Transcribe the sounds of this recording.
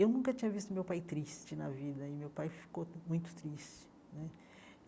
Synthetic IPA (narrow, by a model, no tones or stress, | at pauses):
ewnũkɐt͡ʃĩɲɐvist̪ʊmewpajt̪ɾist͡ʃɪnɐ̰vid̪ɐɪmewpajfi̥komũj̃t̪ʊ̥t̪ɾist͡ʃɪ̥ | nɛ